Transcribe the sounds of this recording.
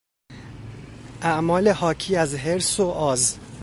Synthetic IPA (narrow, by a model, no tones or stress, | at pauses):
ʔæʔmɒːle̞hɒːcʰiːæzɦe̞ɾsoʔɒːz